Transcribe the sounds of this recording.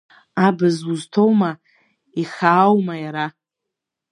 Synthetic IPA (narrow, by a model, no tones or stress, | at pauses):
abɨzuztʰowma | iχaːwmajaɾa